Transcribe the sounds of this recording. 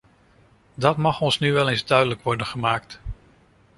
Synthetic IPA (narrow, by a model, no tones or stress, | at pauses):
dɑtmɑχɔnsnyʋɛlenzdœɥdələkʋɔɹdənχəmaːkt